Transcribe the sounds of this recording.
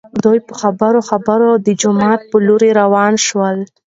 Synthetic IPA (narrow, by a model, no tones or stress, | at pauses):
d̪ujpəxabəɾoxabəɾod̪əd͡ʒʊmɑt̪̚pəloɾeɾawɑnʃwəl